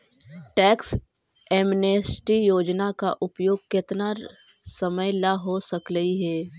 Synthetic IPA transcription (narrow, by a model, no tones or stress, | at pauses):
ʈɛːks | ɛːmneːsʈijoːd͡ʒnakaʔʊpjoːɡ̚kɪt̪na | sɐməjlaɦosɐkɾəɦiɦɛː